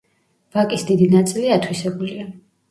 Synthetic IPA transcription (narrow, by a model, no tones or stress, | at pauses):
vakʼisd̪id̪inat̪sʼiliat̪ʰwisɛbulia